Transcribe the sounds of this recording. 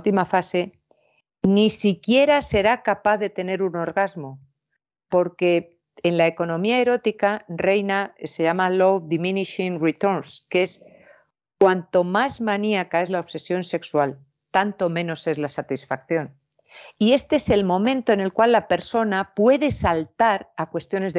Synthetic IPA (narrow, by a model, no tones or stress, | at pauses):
t̪imafase̞ | nisikje̞ɾase̞ɾakapaθðe̞t̪e̞ne̞ɾuno̞ɾɣazmo̞ | po̞ɾke̞ː | nlae̞ko̞nõ̞miae̞ɾo̞t̪ikare̞jnase̞ʝamalo̞wd̪imĩniʃiŋrit̪oɾnske̞s | kwant̪o̞mazmãniakae̞zlaoβse̞sjo̞nse̞kswal | t̪ant̪o̞mẽ̞no̞se̞zlasat̪isfak̚θjo̞n | ie̞st̪e̞ese̞lmõ̞mẽnt̪o̞ene̞lkwalːape̞ɾso̞napwe̞ðe̞salt̪aɾakwe̞st̪jone̞z